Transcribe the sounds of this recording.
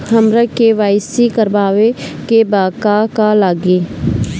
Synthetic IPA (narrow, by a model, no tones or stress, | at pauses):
həmɾəkeʋaːɪsikəɾbaːʋekebaːkakalaːɡiː